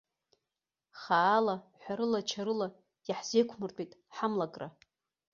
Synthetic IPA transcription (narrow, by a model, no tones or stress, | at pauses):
χaːlaħʷᶣaɾɨlat͡ʃʰaɾɨlḁ | jaħz̥ejkʷʰmɨrtʷʼijtʼħamlakʼra